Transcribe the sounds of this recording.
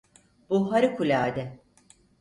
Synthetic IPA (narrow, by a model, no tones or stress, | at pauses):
b̥uɦaɾɯkʰulʲaːd̪ɛ